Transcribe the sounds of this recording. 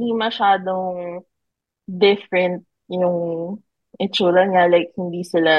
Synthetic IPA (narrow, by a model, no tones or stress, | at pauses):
d̪imɐʃaːd̪oŋ | d̪ɪfɾɛnt̪̚ | jʊŋ | ʔɛt͡ʃuːlɐnɡalɐjk̚hɪnd̪iːsɪla